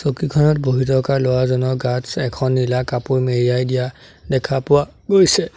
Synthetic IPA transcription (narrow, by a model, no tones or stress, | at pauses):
sokikʰɔnɔt̚boɦitɔkaɹlowazɔnɔɡasɛkʰɔnːilakapʊɹmeɹiajdija | dɛkʰapʊwa | ɡojsɛ